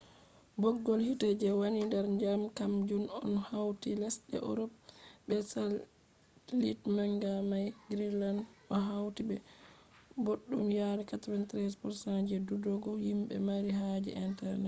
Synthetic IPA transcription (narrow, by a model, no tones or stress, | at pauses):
bɔɡːɔlhitad͡ʒɛwanindɛɾɲd͡ʒamkamd͡ʒunɔnhawtilɛsɗɛ̰ʔɔ̰ɾɔpbɛsal | litmaŋɡamajɡɾilandɔɦawtibɛ | boɗːumjaɾɛkatɔwantɾɛspɔɾsand͡ʒɛdudɔɡɔhimɓɛ̰maɾiɦad͡ʒɛ̰ʔɛntɛɾnɛt